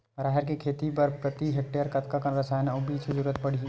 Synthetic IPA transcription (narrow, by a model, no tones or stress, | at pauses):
ɾaːɦɛɾkikʰeːt̪ipɐɾpɾɐt̪iɦek̚ʈeːəɾkɐt̪kakɐnɾɐsaːjnobiːt͡ʃʊd͡ʒuːɾət̪̚pɐɽ̤i